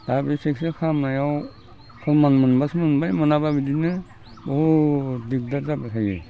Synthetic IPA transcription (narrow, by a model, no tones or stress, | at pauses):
dabisek̚sekʰamajaw | kʰɔlmanmɯnbasmɯnbajmɯnababidinɯ | odik̚dazabasʰaɡḛ